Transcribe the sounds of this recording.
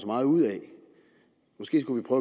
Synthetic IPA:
sɒmɑ̈ːð̩ˠuð̰ˠɛ | mɔ̽sɡ̥e̝̰ːs̬ɡ̥uʋipʰʁœːʊ

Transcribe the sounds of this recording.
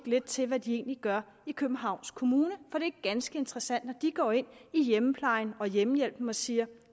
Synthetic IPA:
ɡ̥le̝d̥̚t͡sʰe̝lʋæd̥ie̝̰ːnliɡ̥ɶɐ | ikʰøb̥m̩ɦɑ̈ʊ̰nskʰo̝muːnəfɒ̽d̥e̝æɐɡ̥ænsɡ̥əe̝nd̥ʁɐsæn̰d̥nɒd̥iɡ̥ɒ̰ːe̝n̰ijeməpʰlɑ̈ɪn̩ɒ̽jemjel̰b̥m̩ɒ̽siːɐ

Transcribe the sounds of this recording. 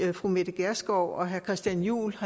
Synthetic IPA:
fʁumed̥əɡ̥æɐsɡ̥ɒʊ̰ɒ̽ɦæɐkʰʁɛsd̥jænjṵːlhɑ

